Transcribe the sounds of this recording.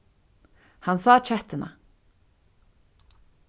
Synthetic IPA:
hansaːt͡ʃʰɛht̪ɪna̰

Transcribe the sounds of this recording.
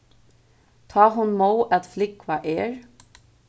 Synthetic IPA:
t̪ʰɑːɦʊnmoːwʔæt̪flɪkʋaʔɛːɹ

